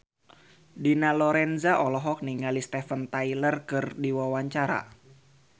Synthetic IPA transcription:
dinalɔɾɛnzaʔɔlɔɦɔk̚niŋalist̪ɛfənt̪ailərkɨrdiwawaɲt͡ʃaɾa̰

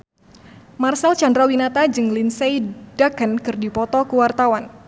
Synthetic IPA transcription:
marsalt͡ʃandɾawinat̪ad͡ʒɨŋlinsejdakənkɨrdipɔt̪ɔkəwart̪awan

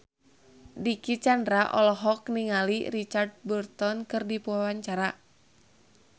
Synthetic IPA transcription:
dikit͡ʃandɾaʔɔlɔɦɔk̚niŋaliɾit͡ʃard̚bərt̪ɔnkɨrdipuwawaɲt͡ʃaɾa

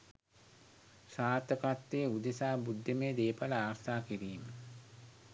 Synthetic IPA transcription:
saːt̪əkat̪ːejud̪esaːbud̪ʱːemeːd̪eːpaləaːɾt̪aːkiɾiːmə

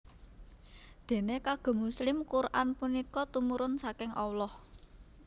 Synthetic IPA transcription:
d̪̥e̤nekaɡ̥ɔ̤muslɪmkuɾʔanpunikɔt̪umuɾʊnsakɪŋʔɔwlɔh

